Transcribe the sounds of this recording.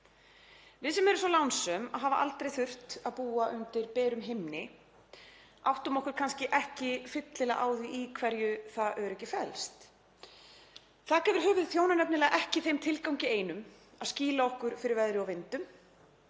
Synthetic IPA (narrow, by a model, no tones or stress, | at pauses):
vɪðsɛmɛɾʏmsɔlawnsʏmaðɦaːvaʔa̰lt̪ɾejθʏr̥t̪aðpuːaʔʏnt̪ɪɾpɛːɾʏmɦɪmnɪ | a̰wht̪ʏmɔhkʏɾ̥kʰanscɪʔɛhcɪfɪt̪lɪlɛɣʔaːwðiʔikʰvɛɾjʏθaðʔɛʏɾɛhcɪfɛlst̪ | θaðkɛːvɪɾ̥ɦʏːvʏðθjownanɛpnɪlɛːɣaʔɛhcɪθejmt̪ʰɪlkawɲcɪeːjnʏm | aðsciːlaɔhkʏɾ̥fɪɾɪɾvɛðɾɪɔvɪnt̪ʏm